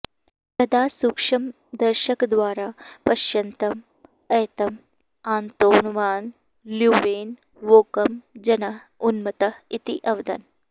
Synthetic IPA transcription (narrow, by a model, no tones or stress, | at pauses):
t̪ɐd̪aːsukʂɐm | d̪ɐɾʃɐkd̪ʋaːɾaːpɐʃjɐnt̪ɐm | ɐːt̪ɐm | aːnt̪oːnʋaːn | ljuːʋeːn | ʋoːkɐmd͡ʒɐnɐɦ | unmɐt̪ɐit̪iʔɐʋd̪ɐ̰n